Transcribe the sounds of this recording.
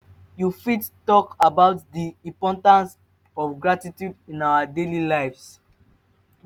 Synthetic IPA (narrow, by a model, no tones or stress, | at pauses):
jufidtɔkabaʊt̚diipɔ̃ntãns | ɔfɡɹatitjudĩnawadelilajfs